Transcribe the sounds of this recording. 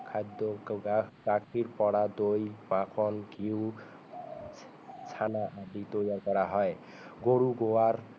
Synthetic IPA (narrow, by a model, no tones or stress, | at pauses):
kʰad̪ɔ | ɡakʰiɹpɔɽad̪ojbãkʰɔnkiw | t͡sʰanaʔad̪it̪ojakɔɾaɦɔj | ɡoɾuɡowaɾ